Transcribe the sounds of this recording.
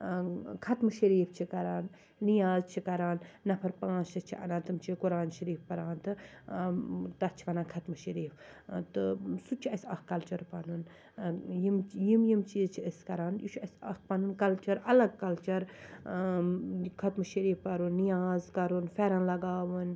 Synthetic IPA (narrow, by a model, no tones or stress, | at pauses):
kʰɐt̪mɨʃɐɾiːft͡ʃʰikɐɾaːnː | ijaːzt͡ʃʰikɐɾaːnːɐpʰɐɾpãːnsɐt͡ʃʰiʔɐ̰nãːnt̪ɨmt͡ʃʰikuɾaːnʃɐɾiːfpɐɾaːnt̪ɨ | t̪ɐt͡ʃʰiʋɐnãːnkʰɐt̪mɨʃɐɾiːft̪ɨsut͡ʃʰiɐsʲɐkkːɐlt͡ʃɐɾpɐnun | jimjimjimt͡ʃiːzt͡ʃʰiɐskɐɾaːnjut͡ʃʰɐsɐk̚pɐnunkɐlt͡ʃɐɾɐlɐɡ̚kɐlt͡ʃɐɾ | kʰɐt̪mɨʃɐɾiːfpɐɾunːijaːzkɐɾunfʰɛɾɐnlɐɡaːʋɨn